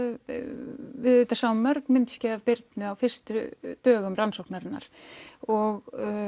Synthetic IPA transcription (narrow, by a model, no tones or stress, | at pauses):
vɪðʏːt̪asaːwmœɾknmɪnt̪scɛːðavpɪɾt̪nʏawfɪr̥st̪ʏt̪œːɣʏmɾansowknaɾɪnːa̰ɾ̥ɔɣ